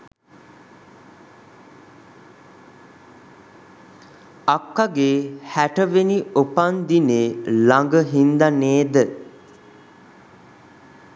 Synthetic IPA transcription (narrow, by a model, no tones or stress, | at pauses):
akːaɡeːhæʈəʋeniopand̪ineːlaŋɡəɦind̪aneːd̪ə